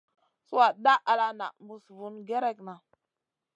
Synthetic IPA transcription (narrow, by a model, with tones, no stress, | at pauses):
su˦wa˨da˦ʔa˨la˦na̰˨mu˨svu˨nɡe˦ɾe˦˨kna˨